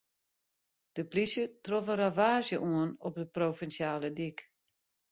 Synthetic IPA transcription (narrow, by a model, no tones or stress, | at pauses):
d̥əplisjətrɔfəravaːzjəʔuənɔp̚dəprofɛnsjaːlədik